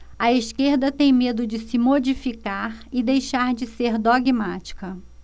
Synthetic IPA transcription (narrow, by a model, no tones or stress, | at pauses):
ɐiskeɾd̪ɐt̪ẽj̃med̪ʊd͡ʒɪsɪmod͡ʒifikaɾɪd̪ejʃaɾd͡ʒɪseɾd̪oɡimat͡ʃi̥kɐ